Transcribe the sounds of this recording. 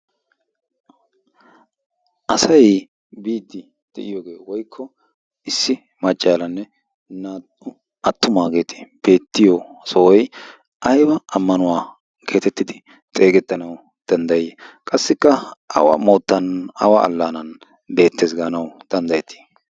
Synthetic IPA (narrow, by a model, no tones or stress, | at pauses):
ʔɐsɐj | biːd̪ːɪ | d̪̥ɛ̰ʔɪjoːɡe̞ːwɔjkʰːɔ | ɪsːɪ | mɐt͡ʃʼːaːlɐnːɛ | naːt̪ː | ʊ | ʔɐt̪ːʊmaːɡe̞ːt̪ʰɪ̥b̥e̞ːt̪ːɪjosɔɔj | ʔɐjbɐʔɐmːɐnʊwaː | kʰe̞ːt̪ɛt̪ːɪd̪ɪ | t̪ʼe̞ːɡɛt̪ːɐnɐw | d̪̥ɐnd̪ɐjjkʼɐsːɪkːɐʔɐ̰wɐ̰moːt̪ːɐnɐ̰waɐ̰lːaːnɐn | be̞ːt̪ːe̞ːsɡaːnɐwd̪̥ɐnd̪ɐjɛt̪ʰːi̥